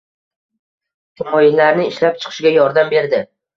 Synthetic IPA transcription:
t̪ʰɪmɒjɪlːaɾnɪɪʃlap̚t͡ʃʰɨ̥qʰɨ̥ʃɡʲajɒɾd̪ambe̞ɾd̪ɪ

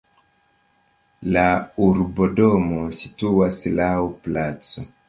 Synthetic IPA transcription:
lauɾbo̞do̞mo̞situaslawplat͡so

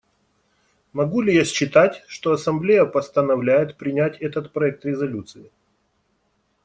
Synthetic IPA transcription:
mɐɡulʲɪjasʲt͡ɕːɪt̪atʲʂt̪o̞ɐsɐmblʲejəpəst̪ənɐvlʲæjɪt̪pɾʲɪnʲætʲɛt̪ət̪pɾɐɛk̚t̪ɾʲɪzɐlʲut̪sɨɪ

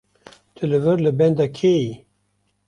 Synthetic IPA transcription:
t̪ʰɨlɨvɨɾlɨbɛnd̪ɑkʰeji

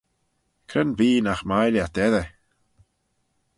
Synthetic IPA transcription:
kʰɾənviːnaxmajljat̚ɛðɛ

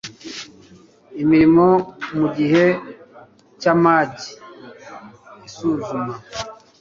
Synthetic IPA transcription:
imiɾimomuɟiɦe̞ | camaɟi | isuzuma

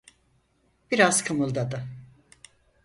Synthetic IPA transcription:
b̥iɾaz̥kʰɯmɯlˠd̪ad̪ɯ

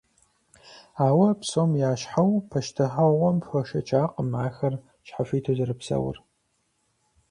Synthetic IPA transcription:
aːwɐpsoːmjaːʃħawpʰɐʃtʰɨχɐʁʷɔmpfɐʃɐt͡ʃʰʼaːqəmʕaːxɐr | ɕħafiːtʰozɨɾɨpsɐ̰wɐ̰r

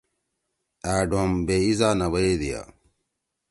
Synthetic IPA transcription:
æːɖʱombeizaːnɐwɐed̪ija̰

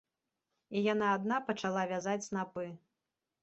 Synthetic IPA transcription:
ijanaːd̪napɐt͡ʂalˠavʲazat͡sʲsnapɨ

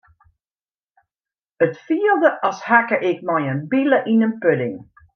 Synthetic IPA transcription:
ətfiəlˠdəʔɔshakəʔɪkmɔjənbiləʔinənpølɪŋ

